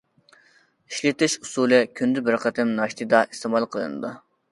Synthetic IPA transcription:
iʃlɪt̪ɪʃusulˠɪkʲʰynd̪ɪbɪɾqʰɛt̪ɪmnɑʃt̪ʰɨd̪ɑʔist̪emɑlˠqʰəlˠɨ̰nɨ̰d̪u

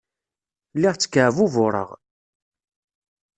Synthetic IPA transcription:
lːiʁt͡sːə̥kːʕvuvʊɾˤə̰ʁ

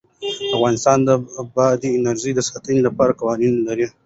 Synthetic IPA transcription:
afɣɑnɪst̪ɑnd̪əbɑd̪iɪnaɾʒijd̪əsɑt̪ənilapɑɾakawɑninlaɾi

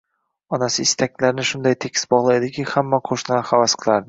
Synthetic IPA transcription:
ɒnasɪɪst̪ʰakʲlaɾɪnɪʃʊnd̪ajt̪ʰekʲʰɪ̥sbɒʁlˠajd̪ɪkʲʰihamːaqʰoʃnahavasqʰɨlˠaɾd̪ɪ

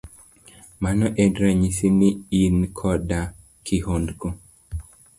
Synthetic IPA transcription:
manɔʔɛdɾaɲisiniinkʰɔda | kʰihondko

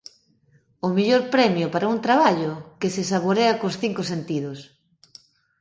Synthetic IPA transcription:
ʊmiʎoɾpɾɛmjopaɾaunt̪ɾaβ̞aʎʊkɪsesaβoɾeakosθiŋkʊsent̪iðʊs

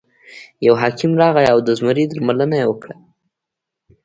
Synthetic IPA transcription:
jawɦɑkʰɪmɾɑɣajawd̪əzməɾid̪əɾmalənajewəkɽa

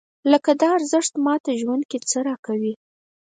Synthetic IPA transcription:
ləkad̪ɑːɾzəʂt̪mɑt̪aʒwand̪̚ket͡səɾɑkawi

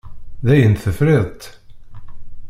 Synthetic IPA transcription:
ðæjənθəfɾeðˤt̪

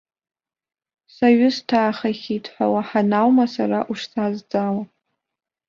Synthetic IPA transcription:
saɥʊstʰaːχaχʲitʰħʷa̰waħanawmasaɾaʔuʂsazd͡zʼawa

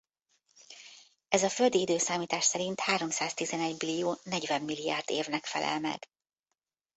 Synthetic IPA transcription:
ɛzɒføld̪iid̪øːsaːmiːt̪aːʃsɛɾint̪haːɾo̞msaːzt̪izɛnɛɟbilijoːnɛɟvɛmːilːia̰ːrd̪ḛːvnɛkfɛ̰lʔɛ̰lmɛ̰ɡ̥

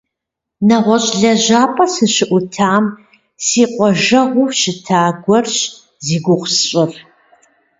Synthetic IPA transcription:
nɐʁʷɔɕʼɮɐʑaːpʼɐsɨɕɪʔʷʊtʰaːm | siːqʷʼɔʒɐʁʷʊʃɪtʰaːɡʷɔrɕ | ziːɡʷʊχʷsɕʼɪr

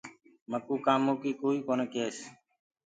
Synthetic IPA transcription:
məkuːkãːmoːkiːkoːiːkoːnekeːs

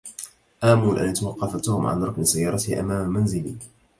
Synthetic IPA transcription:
ʔaːmuːlʔa̰nʔat̪awɑqːɑfat̪ʊhʊmʕa̰nɾˤɑknɪsajːɑːɾˤɑt̪ɪhʔa̰maːmamanzɪli

